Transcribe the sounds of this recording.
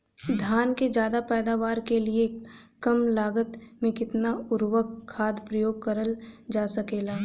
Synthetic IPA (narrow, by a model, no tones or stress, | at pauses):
d̪ʱjaːnked͡ʒjaːd̪apɛːd̪aːʋaːɾkelie | kɐmlaːɡət̪mẽkɪt̪naʊɾwəkʰːaːd̪pɾɐjoːɡ̚kəɾəld͡ʒaːsɐkeːlaː